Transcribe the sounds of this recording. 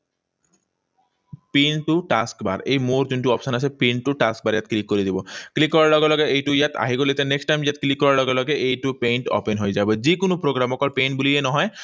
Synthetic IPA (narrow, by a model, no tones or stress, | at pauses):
pinʈuʈaskba̰ɾejmoɾd͡ʑunʈuɔpsɔnasʰepinʈuʈask̚baɾjat̪̚klikːoɾid̪ibɔklikːɔɾaɾlɔɡelɔɡeʔejʈujat̪ʰa̰ɦiɡolet̪ɛneksʈːajmjat̪klikːɔɾaɾlɔɡelɔɡeʔejʈupejɳʈo̰penɦojzabed͡ʑikonopɾoɡɾamɔkɔɾpejɳʈbulienɔɦɔe